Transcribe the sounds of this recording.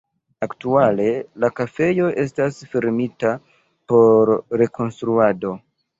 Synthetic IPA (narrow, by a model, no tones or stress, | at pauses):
aktuale̞lakafe̞jo̞ʔe̞stasfeɾmita | po̞ɾːe̞ko̞nstɾuado̞